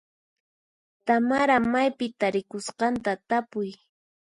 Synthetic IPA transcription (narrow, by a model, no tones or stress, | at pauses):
t̪amaɾamajpɪt̪aɾɪkʊsqɑnt̪at̪apʊj